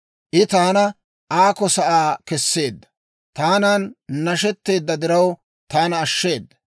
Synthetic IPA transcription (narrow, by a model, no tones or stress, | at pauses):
ʔɪt̪aːnɐ | ʔaːkɔsɐʔaːkɛsːe̞ːd̪ːɐ̥ | t̪aːnaːnnɐʃɛt̪ːe̞ːd̪ːɐd̪ɪɾɐw | t̪aːnɐːʃːe̞ːd̪ːɐ̥